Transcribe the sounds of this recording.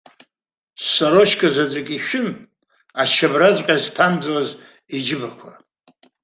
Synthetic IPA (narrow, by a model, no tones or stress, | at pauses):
sːaɾoʃkʰʼazat͡sʷʼɪkʲʼiʃᶣʊn | aʃʰabrad͡zʷʼkʲʼaztʰamd͡zalaz | id͡ʒɪbakʷʰa